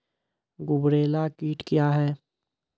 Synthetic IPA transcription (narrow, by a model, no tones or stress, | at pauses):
ɡʊbɾeːlakiːʈkjaɦɛː